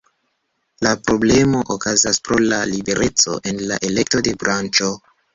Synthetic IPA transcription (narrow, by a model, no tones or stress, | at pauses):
lapɾo̞ble̞mo̞ʔokazaspɾo̞lalibe̞ɾʔe̞t͡so̞̰ʔe̞nlaʔe̞le̞k̚to̞de̞bɾant͡ʃo̞